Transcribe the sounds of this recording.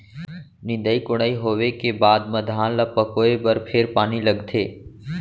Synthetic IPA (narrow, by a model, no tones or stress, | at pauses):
nɪ̃nd̪əikʊɽ̃aːiɦoːwekebaːd̪mɐd̪ʱaːlapɐkoːebɐɾpʰɪɾpaːnilɐɡt̪ʰeː